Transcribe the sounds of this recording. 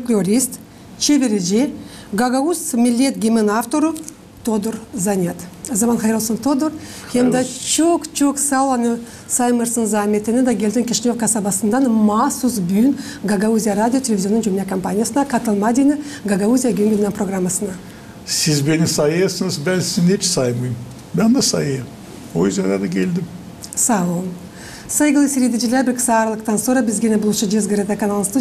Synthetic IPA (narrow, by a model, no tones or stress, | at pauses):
klʲoɾʲist̪ | t͡ʃʰevʲeɾeʒe | ɡaɡausmʲɪlʲːe̞t̪ɡʲemʲenaft̪o̞ɾə | t̪ʰod̪ʊɾzanʲet̪ɑzamanχɑjɾalˠsənt̪ʰod̪or | xʲemd̪ɑt͡ʃokt͡ʃoksalˠanə | sajməɾsənzamʲet̪ɪnɪd̪aɡʲelʲd̪ɪŋkʲʰeʃnʲefkasabɑsənd̪ɑnmɑsusbyjn | ɡaɡauzʲijaɾad̪ʲijot̪ʲʰelʲevʲizʲjoːəŋʒʏmlʲakʰompanʲijasənɑkʰat̪əlˠmad̪ʲinəɡaɡauzʲijaɡʲemɡʲenɪpro̞ɡramːasənɑ | sɪzbenɪsɑjjɑsəŋəzbælsɪnet͡ʃɪ̥sɑjməjm | bɑnd̪ɑsɑ̰jjə | ojzɑd̪ɑd̪ɑkʲʰe̞ld̪ɪm | sawon | sajɡəlˠəsʲeɾʲed̪ɪʒilæbɪɾksɑɾlˠəq̚t̪ʰansuɾabɪzɡʲenɪbʊlˠʃəd͡ʒezɡʲeɾed̪akanalˠst̪u